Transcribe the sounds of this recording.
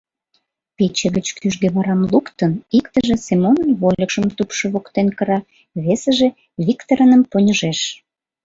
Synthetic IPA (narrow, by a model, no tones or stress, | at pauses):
pet͡ɕeɣət͡ɕkʰyʒɡeβɑɾɑmlukt̪ənikt̪əʒĕsemonənβolʲəkʃəmt̪upʃeβokt̪enkəɾɑ | βesəʒe | βikt̪əɾənəmponʲəʒeʃ